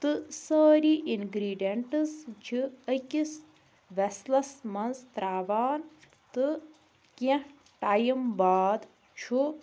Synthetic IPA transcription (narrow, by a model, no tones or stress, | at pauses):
t̪ɨsəːɾiʔinɡɾiːɖeɳʈɨsd͡ʒʰiəkʲis | ʋɛslɐsmɐnst̪ɾaːʋaːn | t̪ɨ | kẽ | ʈaːjimbaːd̪ | t͡ʃʰu